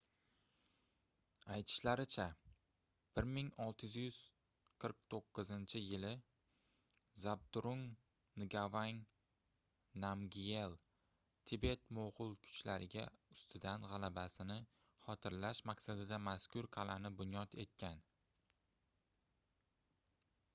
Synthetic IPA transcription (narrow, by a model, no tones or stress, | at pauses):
ajt̪ʰɪ̥ʃlaɾɪt͡ʃʰa | b̥ɪɾmɪŋɒlˠt̪ʰɪjzjʏz̥ | qʰɨɾq̚t̪ʰoqːɨzɪnt͡ʃʰɪjɪlɪ | zab̚t̪ɾʊŋ | nɪɡavaŋ | namɡʲie̞lˠ | t̪ʰɪbe̞t̪moʁʊlˠkʰʊ̥t͡ʃlaɾʔɪɡʲa̰ʊst̪ʰɪd̪anʁɑlabasɪnɪ | χɒt̪ʰɪɾlaʃmaqsad̪ɪd̪amaskʲʰʊɾqʰɑlanɪbʊnjɒt̪e̞t̪̚kʲʰan